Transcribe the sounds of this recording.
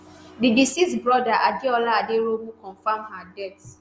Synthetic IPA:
dibisisbɹɔdaʔadeɔlaadeɾomukɔ̃nfamɦadɛt

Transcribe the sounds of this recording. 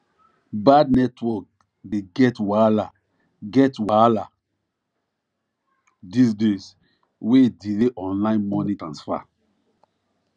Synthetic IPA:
badnɛtwɔk̚ | deɡɛtwala | ɡɛtwala | disdes | wedileʔɔ̃nlãɪ̃nmɔnĩtɹãnsfa̰

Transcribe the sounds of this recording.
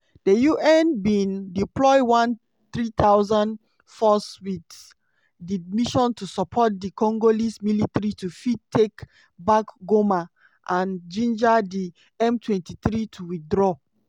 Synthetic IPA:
d̥əjuʔɛ̃nbĩndiplɔɪwãn | θɹit̪aʊzãn | fɔswid | dimiʃɔ̃ntusɔpʰɔt̚dikɔ̃ŋɡolismilitaɾitufitʰːek | bakɡoma | ʔãnd͡ʒĩnd͡ʒadi | ɛ̃mtʰwɛ̃ntiθɹitʰuwiθdɹɔ

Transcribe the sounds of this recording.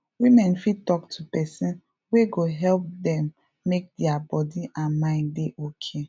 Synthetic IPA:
wimɛ̃nfid̚tɔktʰupɛsĩn | weɡoɦɛlp̚dɛ̃mː | ek̚dɛabɔdiʔãnmãɪ̃ndeʔokʰe

